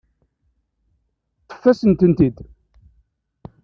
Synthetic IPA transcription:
θə̥fːæsənt̪ənt̪id̪

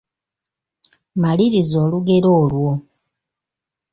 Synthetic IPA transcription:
maliɾizo̞ːluɡe̞ɾo̞ːlwo̞

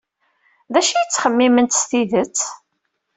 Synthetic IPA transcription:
ðæʃijət͡sːχəmːimənt̪st̪iðət͡sː

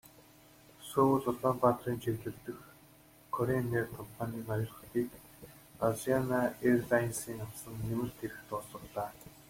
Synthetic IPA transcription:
soːɮʊɮɔːmpat̪riːnt͡ɕʰerɮɘ̆rt̪ɘ̆x | kʰɔɾenːeːrkʰɔmpʰanʲiːnɔjɞ̆ɮ̆t̪iːk | aɮianaerɮainsiːŋamsə̆ŋːemɘ̆rt̪ʰeɾɘ̆xt̪ʊsə̆χɮaː

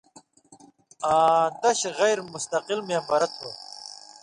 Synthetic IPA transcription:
aːd̪ɐɕɣɐjɾmust̪ɐqilmiɐmbɐɾɐt̪̚ːo

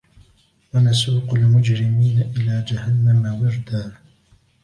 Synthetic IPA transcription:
wanasuːqalmʊd͡ʒɾɪmiːnaʔɪlaːd͡ʒahanːamawɪɾd̪aː

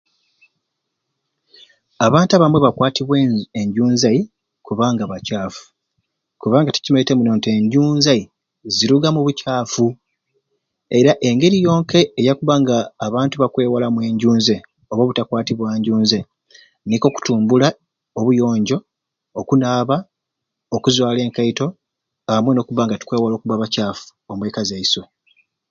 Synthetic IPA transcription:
aβaːntaβamweβakwaːtiβweeɲɟuːnzai | kuβaːŋɡaβacaːfu̥ | kuβaːŋɡati̥cimeite̞munoːnte̞ɲɟuːnzai | ziɾuɡamuβucaːfu | e̞ɾaʔe̞ŋɡe̞ɾijo̞ːŋke̞ːjakuβaŋɡaːβaːntuβakwe̞ːwalamwe̞ːɲɟuːnze | oβoβutakwaːtiβwaːɲɟuːnze | niko̞ku̥tuːmbula | oβujo̞ːɲɟo̞ | okunaːβa | okuzwaːle̞ːŋkaito̞ | aamweno̞kuβaːŋɡatu̥kweːwalo̞ːkuβaβacaːfu̥omwe̞ːkazeiso̞

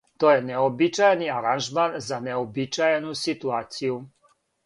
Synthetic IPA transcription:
t̪ɔjɛɲɛɔbit͡ʃajniaɾanʒmaːnzanɛɔbit͡ʃajnusit̪uaːsiu

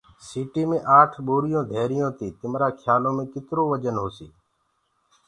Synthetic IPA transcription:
siːʈiːmẽːʔaːʈʰɓoːɾɪjõːd̪ʱeːɾɪjõːt̪iːt̪ɪmɾaːkʰjaːlõːmẽːkɪt̪ɾoːʋəd͡ʒənɦoːsiː

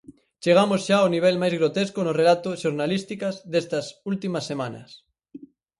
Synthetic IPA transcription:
t͡ʃeɣ̞amosʃaoniβ̞elmajzɣɾot̪eskonorelat̪oʃoɾnalist̪ikazðest̪ɐsult̪imɐsːemanɐ̰s

